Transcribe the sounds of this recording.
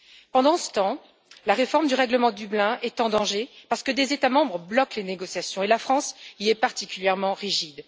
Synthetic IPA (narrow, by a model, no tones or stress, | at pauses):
pɑ̃d̪ɑ̃sə̥t̪ɑ̃ | laʁefɔʁmd̪yʁɛɡləmɑ̃d̪yblɛ̃ʔɛt̪ɑ̃d̪ɑ̃ʒepaʁsə̥kəd̪ezet̪amɑ̃bʁəblɔkleneɡɔsjasjɔ̃elafχɑ̃siɛpaʁt̪ikʲyljɛʁmɑ̃ʁiʒid̪